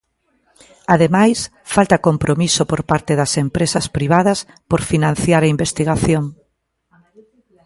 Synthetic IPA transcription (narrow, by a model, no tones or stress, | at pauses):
aðemajs | falt̪ɐkompɾomisopoɾpaɾt̪eðɐsempɾesɐspɾiβ̞aðɐs | poɾfinãn̟θjaɾɐimbest̪iɣaθjoŋ